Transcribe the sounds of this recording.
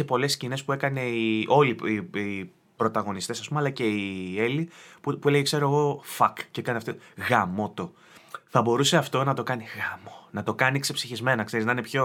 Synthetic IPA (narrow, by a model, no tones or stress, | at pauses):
epo̞le̞scine̞spue̞kɐne̞iʔo̞liii | pɾo̞t̪ɐɣo̞nist̪e̞sɐspumeɐlɐce̞ie̞lipupue̞leʝekse̞ɾoeɣo̞fɐkcekɐniɐft̪oɣɐmo̞t̪o̞ | θɐbo̞ɾuse̞ɐft̪o̞nɐt̪o̞kɐniɣɐmonɐt̪o̞kɐniksepsiçizme̞nɐkse̞ɾiznɐinepço̞